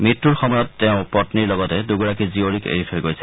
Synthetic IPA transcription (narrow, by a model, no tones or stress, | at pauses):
mitːuɹxɔmɔjɔtːɛʊ̃pɔtniɹlɔɡɔtɛduɡuɹakizioɹikḛɹitʰojɡojsʰɛ̥